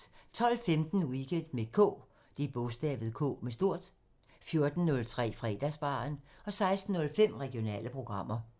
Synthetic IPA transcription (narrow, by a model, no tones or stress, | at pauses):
t͡sʰɒ̽l̰femd̥n̩uiɡ̥end̥me̝̥kʰɔ̰ː | d̥eb̥ɔsd̥ɛ̰ːʋð̞̩ˠkʰɔ̰ːmesd̥o̝ɐ̰d̥ | fjo̝ɐd̥n̩ːɔ̽lt͡sʰʁɛ̰ːfʁɛ̰ːd̥æsb̥ɑ̰̈ːnɒ̽sɑ̈ɪsd̥n̩ːɔ̽lfem̰ʁɛɡ̥io̝nɛ̰ːləpʰʁo̝ɡ̥ʁɑ̈m̰ɐ